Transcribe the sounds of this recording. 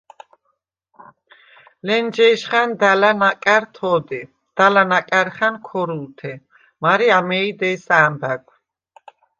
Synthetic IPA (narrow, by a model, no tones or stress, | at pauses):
lɛnd͡ʒɛjʃχand̪alanakʼaɾt̪ʰɔd̪i | d̪̥alanakʼaɾχankʰɔɾult̪ʰɛ | maɾiamɛid̪ɛːsaːmb̪aɡ